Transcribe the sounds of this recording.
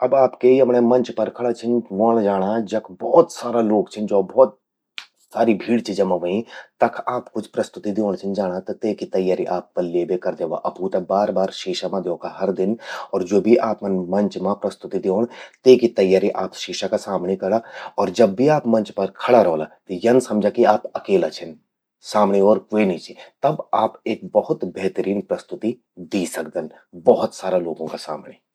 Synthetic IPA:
ɐbaːpkeɐmnemɐ̃nt͡ʃpɐɾkʰɐɽat͡ʃʰɪnʋoːl̃d͡ʒaːɽ̃ad͡ʒɐkʰbɔːt̪saːɾaloːɡt͡ʃʰɪnd͡ʒoːbɔːt̪̚ | saːɾibʱiːɽt͡ʃid͡ʒɐmaʋəĩt̪ɐkʰaːpkʊt͡ʃʰpɾɐst̪ʊt̪id̪eoːɽ̃t͡ʃʰɪnd͡ʒaːɽ̃at̪ɐt̪eːkit̪ɐjːaːɾiʔaːp̚ːɐɾleːbekɐɾd̪eːʋa̰ʔɐpuːt̪ɐbaːɾbaːɾʃiːʃamãd̪eõːkaɦɐɾd̪ɪnɔːɾd͡ʒoːbʱiʔaːpnmɐ̃nt͡ʃmãpɾɐst̪ʊt̪id̪eoːnt̪eːkit̪ɐjːaːɾiʔaːpʃiːʃakasaːmnekɐɾaɔːɾd͡ʒɐbːʱiaːpmɐ̃ɲt͡ʃpɐɾkʰɐɽaɾɔːlat̪ejɐnsɐmd͡ʒʱakiaːpɐkeːlat͡ʃʰɛn | saːmɳeɔːɾkeniːt͡ʃet̪ɐbaːpeːk̚bɐɦʊt̪bɛɦt̪əɾiːnpɾɐst̪ʊt̪i | d̪iːsɐkd̪ən | bɐɦʊt̪saːɾaloːɡõkasa̰ːmneː

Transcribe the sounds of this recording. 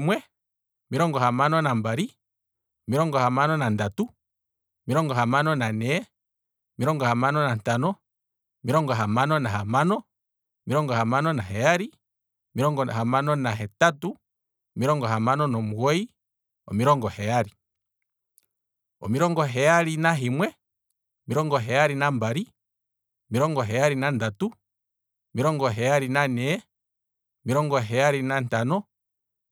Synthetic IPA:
mwɛ | miɾɔŋɡɔhamanɔnambaɾi | ɔmiɔŋɡɔhamanɔnandatu | ɔmiɾɔŋɡɔhamanɔnanɛ | ɔmiɾɔŋɡɔhamanɔnantanɔ | miɾɔŋɡɔɦamanɔnaɦamanɔ | miɾɔŋɡɔhamanɔnaɦɛjaɾi | ɔmiɾɔŋɡɔhamanɔnaɦɛtatu | ɔmiɾɔŋɡɔɦamanɔnɔmuwɔi | ɔ̰miɾɔŋɡɔhɛjaɾi | ɔ̰miɾɔŋɡɔɦɛjaɾinaɦimwɛ | ɔmiɾɔŋɡɔɦɛaɾinambaɾi | ɔmiɾɔŋɡɔɦɛjaɾinandatu | miɾɔŋɡɔɦɛaɾinanɛɛ | ɔmiɾɔŋɡɔɦɛaɾinantanɔ

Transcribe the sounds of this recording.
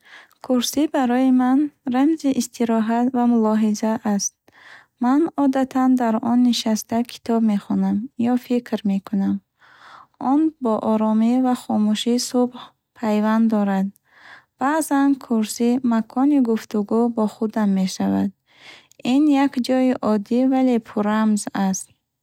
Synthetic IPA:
kʰuɾsibaɾɔjimanramziʔːst̪ʰiɾɔɦat̪vamulɔɦizaʔːst̪̚ | manɔd̪at̪ʰand̪aɾɔnːiʃast̪akʰi̥t̪ʰɔbme̞χɔnamjɔfikʰɾme̞kʰunam | ʔɔnbɔʔɔɾɔmivaχɔmuʃisubh | pʰajvand̪ɔɾad̪ | b̥aʔzankʰuɾsimakʰɔniɡuft̪uɡubɔχud̪amːe̞ʃava̰d̪̚ | injakd͡ʒɔjiʔɔd̪ivale̞pʰuɾamzast̪

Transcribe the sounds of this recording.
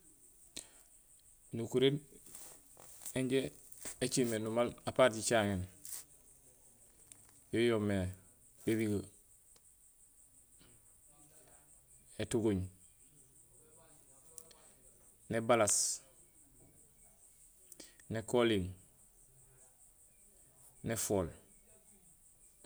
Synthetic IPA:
nukuɾen | eɲɟe | et͡ʃimenumalapaɾɟit͡ʃaŋen | jojomːe | biɾiɡə | etuɡuɲ | nebalas | nekoliŋ | nefol

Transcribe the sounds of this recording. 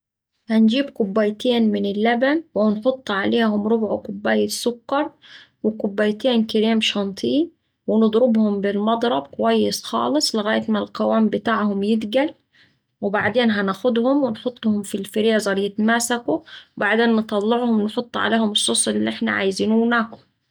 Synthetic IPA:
hand͡ʒiːbkʊbːaːjt̪eːnmɪnɪlːabanwnħʊt̪ˤːʕaleːhʊmɾʊbʕʊkʊbːaːjɪsʊkːɑɾˤ | wɪkʊbːajt̪eːnkɪɾeːmʃɑnt̪ˤʰiː | wɪnɨd̪ˤɾɪbhʊmbɪlmɑd̪ˤɾˤɑb̚kʊwajːɪsxɑ̰ːlɨsˤlɪɣaːjat̪malqawaːmbɪt̪aːʕhʊmjɪd̪ɡal | wɪbaʕd̪eːnɦanaːxʊd̪hʊmwɪnħʊt̪ˤːhʊmfilfɪɾiːzˤɑɾˤjɪt̪maːsakubaʕd̪eːnːt̪ˤɑlːɪʕhʊmwnħʊt̪ˤːʕa̰leːhʊmɪʃːosˤɪlːiʔɪħna̰ʕa̰jziːnuwnaːkʊ

